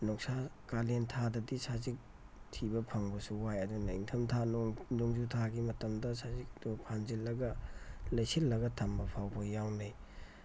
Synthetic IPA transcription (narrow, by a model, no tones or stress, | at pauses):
nɔksakalentʰadɐdisazik̚ | tʰibɐpʰɐŋbɐsuwajɐdunɐiŋtʰɐmtʰannuŋzutʰaɡimɐtɐmdɐsazik̚dupʰanzilːɐɡɐlɐjsilːɐɡɐtʰambɐpʰawbɐjawnaj